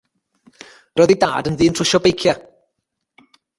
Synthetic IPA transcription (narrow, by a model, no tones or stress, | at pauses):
rɔðida̰ːdənðɨːntʰr̥ʊʃɔbejkʰja